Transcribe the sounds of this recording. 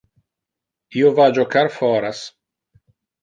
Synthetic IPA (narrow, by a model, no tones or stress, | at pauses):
iovad͡ʒokaɾfɔɾas